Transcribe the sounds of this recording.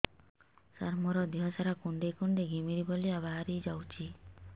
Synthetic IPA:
saɾmɔɾɔd̪iɦɔsaɾakuɳɖekuɳɖeɡʱimiɾibɔliaβaɦaɾid͡ʒawt͡ʃʰi

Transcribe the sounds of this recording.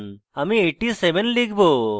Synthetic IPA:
ɐmĩeʈːiːseʋenliːɡbʱo

